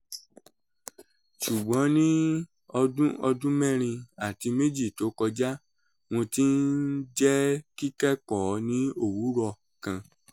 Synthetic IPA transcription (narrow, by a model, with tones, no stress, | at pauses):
ʃu˨ɡ͡bɔ̃˨˦nĩ˦ | ɔ˧dũ˦ɔ˧dũ˦mɛ̃˦˨ɾ̃ĩ˧a˦˨ti˧me˦d͡ʒi˦˨to˨˦kɔ˧d͡ʒa˦ | w̃õ˧ti˦n̩˦d͡ʒɛ˦ki˦kɛ˦kɔ˨nĩ˨˦o˦˨wu˨˦ɾɔ˦˨ | kã˧